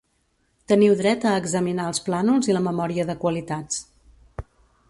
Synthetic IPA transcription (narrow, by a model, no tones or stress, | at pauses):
t̪əniwðɾɛt̪əːɡzəminaəlˠsplanulˠziləməmɔɾiəðəkwəlit̪at͡s